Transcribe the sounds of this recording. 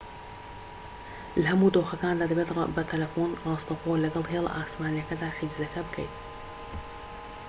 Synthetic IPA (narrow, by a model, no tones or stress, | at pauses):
lɐhɐmuːd̪oːxɐkaːnd̪aːd̪ɐbet̪bɐt̪ʰɐlɐfonrɑːst̪ɐxolɐɡɐlˠɦel̰ʔaːsmaːnijɐkɐd̪aːħid͡ʒzɐkʰɐbɨkʰɐ̰jt̪̚